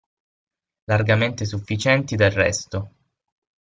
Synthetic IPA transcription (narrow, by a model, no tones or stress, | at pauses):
larɡament̪esufːit͡ʃɛnt̪id̪elrɛ̰st̪o